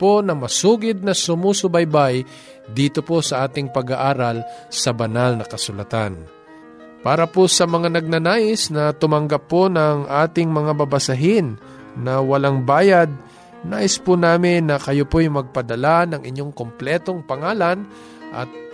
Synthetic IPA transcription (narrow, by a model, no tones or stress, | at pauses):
po̞nɐŋmɐsuːɡɪd̪̚nɐsʊmusʊbɐjbaj | d̪iːt̪o̞posɐʔaːt̪ɪŋpɐɡaʔaːɾɐlsɐbɐnalnɐkɐsʊlɐt̪an | paːɾɐpʊsɐmɐŋanɐɡ̚nɐnaːʔɪsnɐt̪ʊmɐŋɡapːonɐŋʔaːt̪ɪŋmɐŋabɐbɐsɐɦɪnː | ɐwɐlaŋbaːjad̪̚ | naːʔɪspʊnaːmɪnːɐkɐjopojmɐɡ̚pɐd̪ɐlanɐŋʔɪ̰ɲjo̞ŋkomplɛːt̪o̞ŋpɐŋaːlɐn | ʔɐ̰t̪̚